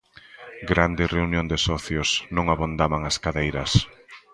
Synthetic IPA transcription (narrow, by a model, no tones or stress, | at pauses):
ɡɾand̪ɪreunjõnd̪ɪsɔθjʊsnõŋaβond̪amaŋaskaðejɾɐs